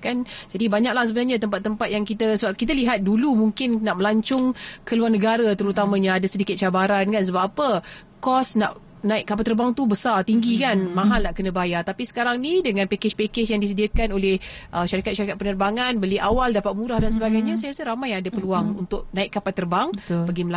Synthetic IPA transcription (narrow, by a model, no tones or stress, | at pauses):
kand͡ʒadibaɲak̚lahs̬əbənarɲat̪̬əmpat̪ːəmpat̪̚jaŋkit̪əsəbap̚kit̪aliɦat̪̚dulumuŋkɪnnaʔməlaɲt͡ʃʊŋkəluarnəɡaɾat̪əɾut̪amãɲaadasədikɪt̪̚t͡ʃabaɾankansəbapːapə | kɔsna̰ʔ | nãɪʔ̚kːapalt̪ərbaŋt̪ubəsart̪iŋɡikanmãɦalnaʔkənə̃bajat̪apisə̥kaɾaŋnidəŋãnpeket͡ʃpeket͡ʃjaŋdis̬ədiakanolɛhʔəʃaɾikat̪̚ʃaɾikat̪̚pənərbaŋanbəliʔawaldapat̪̚mũɾahdansəbaɡajɲasajasaɾamajaadapəluaŋṵnt̪ʊʔ̚nãɪkkːapat̪ərbaŋpəɡiməl